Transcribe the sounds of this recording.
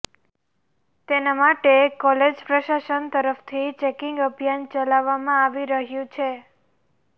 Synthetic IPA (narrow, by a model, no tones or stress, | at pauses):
t̪enamaʈekɔled͡ʒpɾəʃaʃənt̪əɾəft̪ʰit͡ʃekɪŋɡəbʱjant͡ʃəlaʋːamãaʋiɾəɦjũt͡ʃʰe